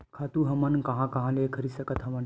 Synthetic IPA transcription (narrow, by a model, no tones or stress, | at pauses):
kʰat̪uɦəmankɐ̃ɦãkɐɦãlekʰəɾiːsəkət̪ɦəmən